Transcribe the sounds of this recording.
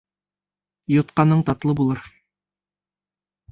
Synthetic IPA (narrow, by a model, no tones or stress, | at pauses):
jŏt̪̚qɑnɤɴt̪ɑt̪lˠɤbulˠɤɾ